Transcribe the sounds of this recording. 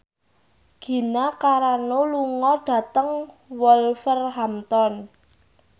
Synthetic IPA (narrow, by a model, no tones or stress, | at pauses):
ɡ̥i̤nakaɾanoluŋɔɖ̥ä̤t̪əŋ | wɔlfərɦamt̪ɔn